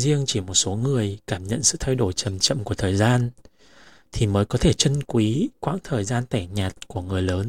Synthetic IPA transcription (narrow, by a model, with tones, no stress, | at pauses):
zi˧əŋt͡ɕi˧˩mo˨˩t̚so˨˦ŋɨ˨˩əjkaː˧˩mɲə̰˧˨nsɨ̰˧˨t̪ʰa˧jɗo˧˩jt͡ɕə˨˩mt͡ɕə̰˧˨mku˧˩ət̪ʰəː˨˩jzaː˧n | t̪ʰi˨˩məː˨˦jkɔ˨˦t̪ʰe˧˩t͡ɕə˧nkwi˨˦kwa̰ː˧˥ŋt̪ʰəː˨˩jzaː˧nt̪aː˧˩ɲaː˨˩t̚ku˧˩əŋɨ˨˩əjləː˨˦n